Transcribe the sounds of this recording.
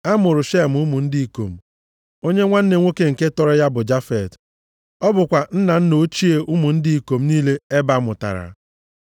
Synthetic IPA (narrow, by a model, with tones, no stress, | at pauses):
a˦mʊ˨ɾʊ˨ʃe˦˨m̩˨ʊ˦mʊ˨n̩˦di˦i˨ko˨m̩˨ | o˦ɲe˦ŋʷa˦n̩˦ne˨ŋʷe˦ke˦ŋ̩˨ke˦tɔ˦ɾɔ˦ja˦bʊ˨d͡ʒa˦fe˨t | ɔ˦bʊ˨kʷa˨n̩˦na˨n̩˦no˦t͡ʃi˦e˨ʔʊ˦mʊ˨n̩˦di˦i˨ko˨m̩˦niː˦le˦e˦ba˨˦mʊ˨ta̰˨ɾa̰˨˦